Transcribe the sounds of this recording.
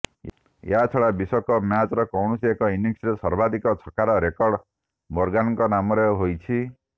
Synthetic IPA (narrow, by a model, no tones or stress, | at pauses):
jeat͡ʃʰɔɽabisɔkɔmjat͡ʃɾɔkɔwɳ̃usiekɔiniŋsɔsɔɾbad̪ikɔt͡ʃʰɔkaɾɔɾekɔɾɽ | moɾɡanɔ̃ŋkɔnamɔɾeɦojt͡ʃʰi